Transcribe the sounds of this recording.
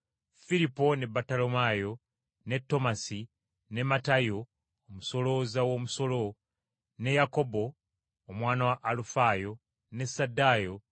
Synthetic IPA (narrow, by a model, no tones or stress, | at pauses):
filipo̞ne̞batalo̞majo̞ | ne̞tːo̞masi | ne̞matajo̞ː | muso̞lo̞ːzawo̞ːmuso̞lo̞ | ne̞jako̞bo̞ː | mwaːnawaʔːlufajo̞ | ne̞sadːajo̞